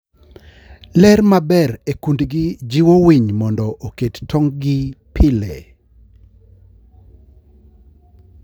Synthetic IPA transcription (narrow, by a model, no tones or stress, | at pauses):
lɛrmabɛɾekundɡid͡ʒiwowiɲmɔndɔʔokettʰɔŋɡɪpʰɪlɛ